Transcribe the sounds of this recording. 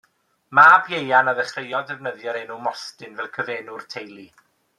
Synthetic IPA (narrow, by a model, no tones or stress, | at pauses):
maːbjejanaðəχrejɔdɛvnəðjɔɾenumɔstɨnvɛlˠkʰəveːnʊrtʰejlˠi